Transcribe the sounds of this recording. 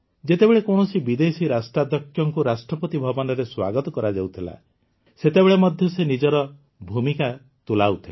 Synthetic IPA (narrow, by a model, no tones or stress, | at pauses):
d͡ʒet̪ebeɭekɔɳ̃ɔsibid̪esiɾasʈɾad̪ɔkʰːjɔŋkuɾasʈɾɔpɔt̪ibʱɔbɔnɔɾeswa̰ɡɔt̪ɔkɔɾad͡ʒawt̪ʰila̰ | set̪ebeɭemɔd̪ʱjɔsenid͡ʒɔɾɔ | bʱumika | t̪ulawt̪ʰil